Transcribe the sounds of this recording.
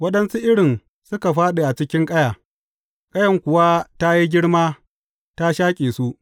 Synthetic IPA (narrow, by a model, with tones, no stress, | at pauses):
wɐ˦ɗɐ˦nsu˦ʔɪ˦ɽɪ˨n | sʊ˦ka˨ɸaː˦ɗe˨ʔa˨t͡ʃɪ˦kʲɪ˦ŋkʼɐ˦jaː˨ | kʼɐ˦jɐ˨ŋkʷʊ˨waː˦ta˦ji˦ɡʲɪ˦ɽmaː˦ | ta˦ʃaː˦kʲʼeː˨su˦ʔ